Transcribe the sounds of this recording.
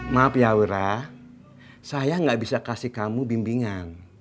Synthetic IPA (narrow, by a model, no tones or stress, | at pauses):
mapjauɾa | sajaŋɡaʔbisakasihkamubimbiŋan